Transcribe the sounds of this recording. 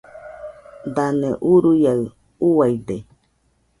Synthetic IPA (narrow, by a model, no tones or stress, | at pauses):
d̪anẽʔuɾujaɯ | uwaid̪e